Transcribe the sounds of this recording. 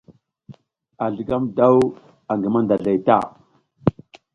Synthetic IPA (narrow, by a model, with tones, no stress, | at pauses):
a˨ɮə˨ɡa˦mda˦w | a˨ŋɡi˨ma˦nda˨ɮa˨jta̰˦˨